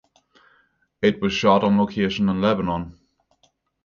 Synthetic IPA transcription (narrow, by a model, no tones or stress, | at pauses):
ɪt̚wɒz̥ʃɔˑɾn̩loʊkʰeɪʃə̃nə̃nlɛbənɔ̃n